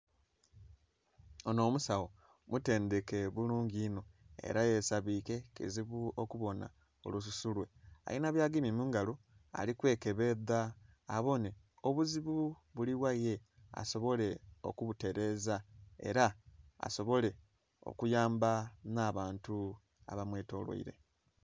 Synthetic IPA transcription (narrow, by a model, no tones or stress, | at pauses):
ono̞ːmusawo̞ | mute̞ːnde̞ke̞βuluːɲɟino̞e̞̰ɾajeːsaβiːke̞kḛziβuokuβo̞na̰ | o̞̰lus̬usulwe̞a̰inaβjaːɡimimuːŋɡalo | a̰likwe̞ːke̞βe̞ðaː | βo̞ne | oβuziβu | βuliβwaje | a̰so̞βo̞le̞o̞̰kuβute̞ɾe̞ːzae̞̰ɾaa̰so̞βo̞le̞ | o̞̰kujaːmbanaːβaːntu | a̰βamwe̞ːto̞lwo̰ḭɾe̞̰